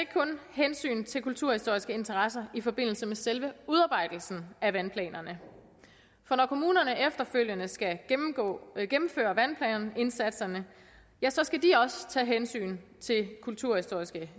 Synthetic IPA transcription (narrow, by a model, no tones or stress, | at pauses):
eɡ̥kʰɔ̽nhensy̰ːnt͡sʰe̝lkʰult͡sʰuɐ̰hisd̥o̝ɐ̰isɡ̥əe̝nt͡sʰɐʁɑ̈sɐifɒ̽b̥e̝n̰l̩səmeselʋəuð̞ˠɑ̈ːbɑ̈ɪ̰d̥l̩sn̩æʋænpʰlɛ̰ːnɐnə | fɒ̽nɒkʰo̝muːnɐnəefd̥ɐføl̰jənəsɡ̥æ̥̰ | ɡ̥emm̩fø̰ːɐʋænpʰlɛ̰ːnɐne̝nsæd̥sɐnə | jæsɒ̽sɡ̥ædiɒ̽st͡sʰɛ̰ːɦensy̰ːnt͡sʰe̝lkʰult͡sʰuɐ̰hisd̥o̝ɐ̰isɡ̥ə